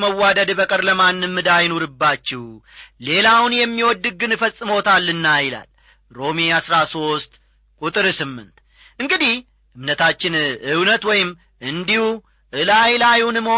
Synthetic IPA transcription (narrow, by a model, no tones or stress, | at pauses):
məwːad̪əd̪bəkʼəɾləmanːɨmːɨd̪ajnoɾɨbːat͡ʃːɛwle̞lawnjɛmːiwɔd̪ːɨɡɨnfəsʼːɨmo̞t̪ʰalːɨnːajɪla̰l | ɾo̞miasɾaso̞st̪ | kʼut̪ʼɨɾsɨmːɨ̰nt̪ | ʔɨŋɡɨd̪ih | ʔɨmnət̪ʰat͡ʃːɪnɨwnət̪wɔjɪm | ʔɨnd̪ihu | ʔɨlajlajunɨm